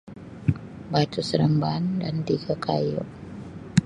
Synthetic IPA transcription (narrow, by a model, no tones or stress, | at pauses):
bat̪usɾəmbandant̪iɡakʰajʊ̰ʔ